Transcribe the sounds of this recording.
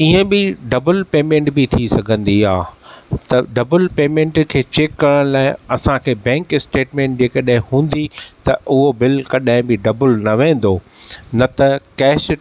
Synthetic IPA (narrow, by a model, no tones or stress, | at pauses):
iə̃bɪɖɐbəlpeːmẽːɳʈbɪt̪ʰisɐɡʱə̃nd̪iaːt̪ɐɖɐbəlpeːmẽːɳʈkʰeːt͡ɕeːkːɐɾə̃ɽ̃laːɪɐsãkʰeːbɛ̃ːŋkɪsʈeːʈmẽːɳʈ̚d͡ʑeːkɐɗaɦɪ̃hũːnd̪it̪ɐʔʊɦobɪlkɐɗaɦɪ̃bɪɖɐbəlnɐʋẽːn̆d̪oːnɐt̪ɐkɛːʃ